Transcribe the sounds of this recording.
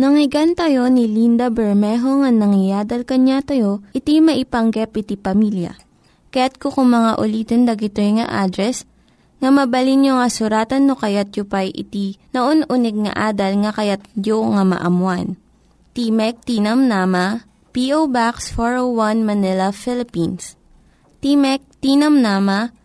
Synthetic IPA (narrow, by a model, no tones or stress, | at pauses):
nɐŋɪɡant̪ɐjo̞nilind̪ɐbɛɹmɛɦo̞ŋɐnɐŋɪjaːd̪ɐlkɐɲat̪ɐjoʔɪt̪imɐʔɪpɐŋɡɛpʔɪt̪ipɐmiljɐ̰ | kɐjat̪̚kokʊŋmɐŋaʔʊliːt̪ond̪ɐɡɪt̪ojŋɐ̰ʔad̪ɾɛs | ŋɐmɐbɐlinjoŋɐsʊɾaːt̪ɐnːokɐjat̪̚jopajʔɪ̰t̪inoʔonʔʊnɛɡ̚ŋɐ̰ʔaːd̪ɐlŋɐkɐjat̪̚joŋɐmɐ̰ʔɐmwan | t̪imɛk̚t̪inɐmnaːmɐ | piʔowbaksfoɹowwanmɐnɪlɐfɪlɪpins | t̪imɛk̚t̪iːnɐmnaːmɐ